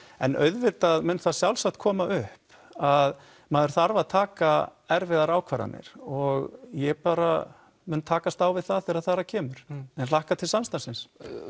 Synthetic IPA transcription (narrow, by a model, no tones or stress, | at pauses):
ɛnʔœ̰ɥðvɪt̪aðmʏːnθaðsjawlsaht̪̚kʰɔːmaʔʏhp | að | maðʏɾ̥θaɾvaðt̪ʰaːkaɛɾvɪðaɾaːwkʰvaɾa̰nɪ̰ɾ̥ɔɣjɛɣpaːɾa | mʏnt̪ʰaːkast̪aːwvɪðθaðθɪɾaðθaːɾacʰɛːmʏɾ̥ɛnlahkat̪ʰɪlsamst̪asɪns